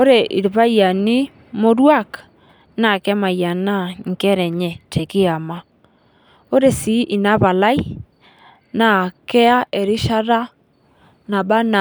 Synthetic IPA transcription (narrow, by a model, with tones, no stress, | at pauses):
o˦ɾe˨ʔi˨ɾβa˦ja˨ni˦ | mo˦ɾwa˦˨k | na˨kɛ˦ma˨ja˨na˦ŋ̩˨kɛ˦ɾɛ˨ɲɛ˨te˨kɪ˦a˨ma˦ | o˦ɾe˨si˨˦ʔi˨na˦βa˨la˦i˦ | na˨kɛ˦a˦ʔɛ˨ɾi˦ʃa˦ɾa˦ | na˨ba˦na˨